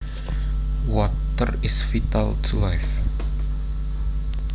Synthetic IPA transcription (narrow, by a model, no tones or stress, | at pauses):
wɔtərɪsfitalˠtʰulajf